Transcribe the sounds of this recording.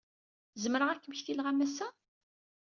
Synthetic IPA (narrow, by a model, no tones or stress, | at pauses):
zəmɾəʁækːəmçθilʁæmæsæ